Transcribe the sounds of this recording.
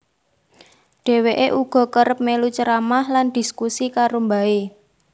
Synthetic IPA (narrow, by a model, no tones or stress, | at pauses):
ɖ̥e̤weʔeʔuɡ̥ɔ̤kəɾəp̚melut͡ʃəɾamahland̥i̤skusikaɾombae